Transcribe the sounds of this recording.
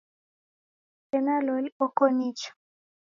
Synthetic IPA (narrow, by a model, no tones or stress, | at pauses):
ɛnalolɔkɔnit͡ʃɔ̥